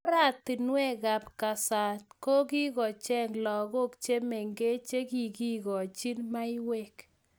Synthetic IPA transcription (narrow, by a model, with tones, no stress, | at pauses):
ɾa˦˨t̪ɪ˨nwɛ˦ɡa˨pka˨sa˨t̚ko˦ɡi˦ɡɔ˨t͡ʃɛ˦ŋlɔ˨ɣɔ˦kt͡ʃe˦me˨ŋɡe˦t͡ʃe˦ki˨ɡi˦ɡɔ˨t͡ʃi˦nma˦ɪ˦we˦k